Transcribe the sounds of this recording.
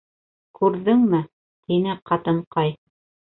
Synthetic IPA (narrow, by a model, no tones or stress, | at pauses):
kʉɾðɘŋmɘ | t̪inɘqɑt̪ɤ̆ɴqɑj